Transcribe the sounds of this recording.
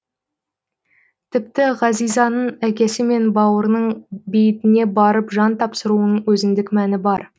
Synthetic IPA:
t̪ʰɪp̚t̪ɪʁɑzijzɑnəɴækʲe̞sɪme̞nbɑwəɾnəɴbejt̪ɪne̞bɑɾəpʒɑnt̪ʰɑpsəɾuəɴwɵzɪnd̪ɪkmænɪbɑɾ

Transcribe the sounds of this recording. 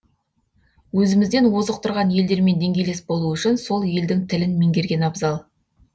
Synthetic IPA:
wɵzɪmɪzd̪e̞nwo̞zəq̚t̪ʰʊɾʁɑnje̞ld̪e̞ɾme̞nd̪e̞ŋɡʲe̞jle̞sbo̞lˠuʏʃɪnso̞lˠje̞ld̪ɪŋt̪ʰɪlɪnmeŋɡʲe̞ɾɡʲe̞nɑbzɑlˠ

